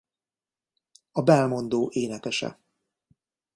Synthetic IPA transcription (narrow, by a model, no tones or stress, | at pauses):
ɒbɛlmo̞nd̪oːʔeːnɛkɛʃɛ̰